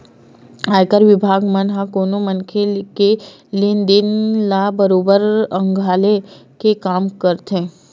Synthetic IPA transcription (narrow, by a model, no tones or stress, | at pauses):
aːjkəɾʋɪbʱaːɡmənɦãkoːnomənkʰelke | lind̪ɪnlabəɾoːbəɾə̃ŋɡʱaːlekekaːmkəɾt̪ɦẽː